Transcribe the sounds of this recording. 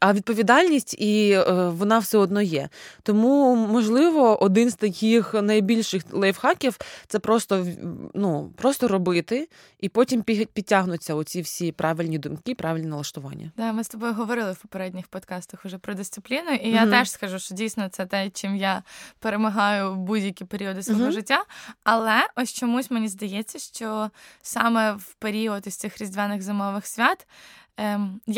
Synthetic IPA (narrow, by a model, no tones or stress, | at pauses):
ɐʋʲid̪̚pɔʋʲid̪ɑlʲnʲisʲtʲiʋɔnɑwsʲɛɔd̪nɔjɛ̰t̪ɔmumɔʒlˠɪʋɔʔɔd̪ɪnz̥t̪ɐkʲixnɐjbʲilʲʃɪxlˠɛjwxɑkʲiwt̪sɛpɾɔst̪ɔnupɾɔst̪ɔɾɔbɪt̪ɪ | ipɔtʲimpʲipʲitʲːaɦnʊt͡sʲːɐʊt͡sʲiwsʲipɾɑʋɪlʲnʲid̪ʊmkipɾʔɑʋʲɪlʲnʲinɐlˠɐʃt̪ʊʋɑ̰nʲːɐ̰d̪ɑmɪst̪ɔbɔjʊɦɔʋɔɾɪlˠɪwpɔpeɾɛdʲnʲixpɔd̪kɑst̪ɐxʊʒɛpɾɔd̪ɪst̪sɪplʲinʊijat̪ɛʃskɐʒuʃt͡ʃɔdʲijsʲnɔt̪sɛt̪ɛt͡ʃɪmjapeɾemɐɦɑjʊwbudʲjɐkʲipeɾʲiɔd̪ɪsʋɔɦɔʒɪtʲːaɐlˠɛʔɔsʲt͡ʃɔmusʲmenʲizd̪ɐjɛt͡sʲːɐʃt͡ʃɔsɑmɛwpeɾʲiɔd̪ʊsʲt̪sɪxɾʲizʲd̪ʲʋʲɛnɪɣzɪmɔʋɪxsʲʋʲat̪ | j